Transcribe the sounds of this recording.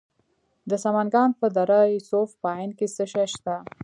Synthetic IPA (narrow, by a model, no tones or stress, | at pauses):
d̪əsamanɡɑnpəd̪aɾasofpəɑjnkesəʃaʃt̪a